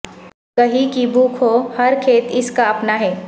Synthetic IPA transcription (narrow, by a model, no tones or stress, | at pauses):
kɐɦĩkibʱuːkʰohɐɾkʰeːt̪ɪskaɐpnaɦɛː